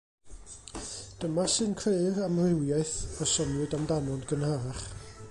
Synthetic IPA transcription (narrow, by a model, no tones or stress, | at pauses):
d̥əmasɨnkʰreramrɪwjaɨθəsɔnʊdamdanɔnɡənhaɾaχ